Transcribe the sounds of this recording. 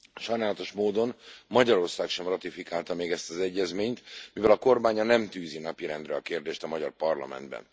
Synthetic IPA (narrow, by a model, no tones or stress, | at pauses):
ʃɒjnaːlɒt̪o̞ʃmoːd̪o̞nmɒɟɒɾo̞rsaːkʃɛmrɒt̪ifikaːlt̪ɒmeːɡɛst̪ɒzɛɟːɛzmeːɲt̪mivɛlɒko̞rbaːɲɒnɛmt̪yːzinɒpiɾɛnd̪rɛɒkeːrd̪eːʃt̪ɒmɒɟɒrpɒrlɒ̰mɛ̰nd̪bɛ̰n